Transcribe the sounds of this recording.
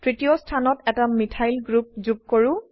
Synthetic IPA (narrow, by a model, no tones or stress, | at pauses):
tɹitiɔstʰanɔtɛtamitʰajlɡɹup̚zup̚koɹʊ̃